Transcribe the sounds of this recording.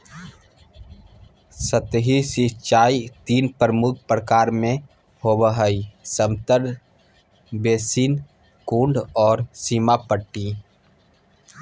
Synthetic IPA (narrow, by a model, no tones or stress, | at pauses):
sət̪ɦisɪt͡ʃaːit̪iːnpəɾəmʊk̚ʰpɾəkaːɾmẽ | hoːbəɦəisəmt̪əɾ | beːsiːn | kũːɳɖɔːɾsiːmapəʈːi